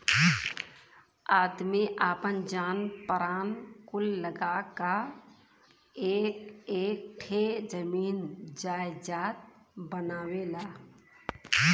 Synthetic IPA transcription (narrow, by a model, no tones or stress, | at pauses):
aːd̪meʔaːpənd͡ʒaːnpəɾaːnkʊlːəɡaka | eːkeːk̚ʈʰed͡ʒəmiːnd͡ʒaːjd͡ʒaːt̪̚ | bənaːwelaː